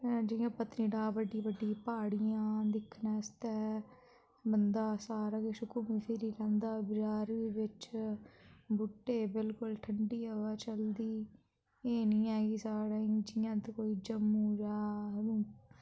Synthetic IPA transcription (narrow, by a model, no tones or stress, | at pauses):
d͡ʒɪjãːpət̪nĩːɖaːbəɖːiːbəɖːiːpaːɽɪjãːd̪ɪkʰːnɛːst̪ɛː | bənd̪aːsaːɾaːɡeʃʊkʊmiːpʰɪɾiːlɛ̃ːnd̪aːbɪd͡ʒaːɾʋɪt͡ʃ | bʊʈːeːbɪlkʊlʈʰəɳɖiːəʋaːt͡ʃəld̪iː | eːniːɛːɡiːsaːɽaːĩːd͡ʒɪjãːd̪koːiːd͡ʒəmːũːɾaːɦɾũː